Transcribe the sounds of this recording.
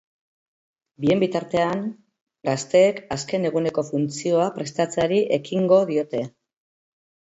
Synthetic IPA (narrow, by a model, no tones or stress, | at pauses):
bie̞mbit̪aɾt̪e̞an | ɡast̪e̞ːkaske̞ne̞ɣ̞une̞ko̞funt͡sio̞apɾe̞st̪at͡saɾiʔe̞kiŋɡo̞ðio̞t̪e̞